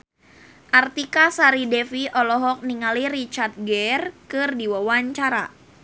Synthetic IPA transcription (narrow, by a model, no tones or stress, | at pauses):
ʔart̪ikasaɾidɛfiʔɔlɔɦɔk̚niŋaliɾit͡ʃart̪̚ɡɛrkɨrdiwawaɲt͡ʃaɾa̰